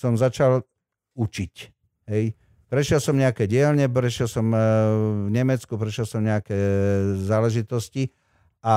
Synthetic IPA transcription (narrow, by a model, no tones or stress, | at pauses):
sɔmzat͡ʃal | ut͡ʃic | ɦɛj | pɾɛʃjɛlsɔmɲɛakɛːɟɪɛlɲɛpɾɛʃɪjɛlsɔm | vɲɛmɛt͡skupɾɛʃjɛlsɔmɲɛakɛːzaːlɛʒit̪ɔsci | ʔa